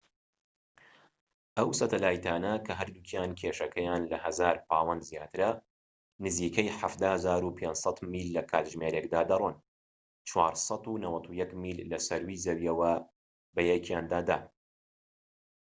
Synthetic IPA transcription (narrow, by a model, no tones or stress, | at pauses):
ʔɐwsɐt̪ɐlaːjt̪ʰaːnɐkʰɐɦɐɾd̪uːkʰjaːnkʲʰeʃɐkʰɐjaːnlɐhɐzaːɾpʰaːwɐnd̪zjaːt̪ʰɨɾɐ | nɨziːkʰɐjħafd̪aːhzaːɾupʰeːnsˤɐt̪miːlːɐkʰaːt̪ʒmeɾek̚d̪aːd̪ɐrˤɨn | t͡ʃʰwaːɾsˤɑt̪unɐwɐt̪ʰujɐkmiːlːɐsɐɾwiːzɐwjɛwɐ | bɐjɛkʰjaːnd̪aːd̪a̰ː